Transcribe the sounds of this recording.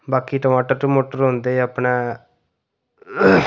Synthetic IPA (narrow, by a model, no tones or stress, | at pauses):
baːkiːʈəmaːʈːəɾʈumoːʈəɾɦõnd̪eəpne